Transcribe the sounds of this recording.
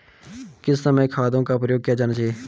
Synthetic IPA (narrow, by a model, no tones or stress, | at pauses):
kɪsːəməkʰaːd̪õːkaʊpɾjoːɡ̚kijaːd͡ʒaːnaːt͡ʃaːeː